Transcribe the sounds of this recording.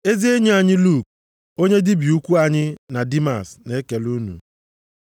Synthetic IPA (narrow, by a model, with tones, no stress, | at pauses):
e˦zi˦e˦ɲe˦a˨ɲɪ˦lu˦˨k̚ | o˦ɲe˦dɪ˦bi˨u˦kʷu˦a˨ɲɪ˦na˨di˦ma̰˨sne˦ke˨lu˦nṵ˨